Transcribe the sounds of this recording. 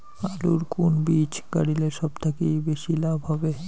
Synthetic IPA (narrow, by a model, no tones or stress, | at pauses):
aluɾkunbit͡ɕɡa̰ɽileʃɔbt̪ʰekejbeʃilabʱɦɔbe